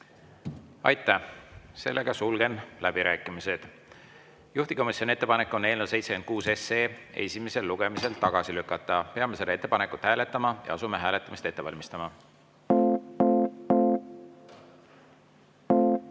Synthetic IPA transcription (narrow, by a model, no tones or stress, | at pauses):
ɑ̰jt̪ˑːæse̞̰lːe̞ɡ̥ɑsulɡe̞nlæb̥iɾæːkːˑimise̞d̪̥ | juht̪iko̞misjonie̞t̪ːe̞pɑne̞kːˑo̞neːlnewse̞jt̪seken̚kuːse̞seːe̞̰sʲime̞se̞lːuɡ̥e̞mise̞lt̪ɑɡ̥ɑsilykːˑɑt̪ˑːɑpe̞ɑme̞se̞d̪ɑe̞t̪ːe̞pɑne̞kːˑut̪hæːle̞t̪ːˑɑmɑjɑ̰ɑsume̞ɦæːlet̪ˑːɑmist̪e̞t̪ːe̞vɑ̰lʲmist̪ɑmɑ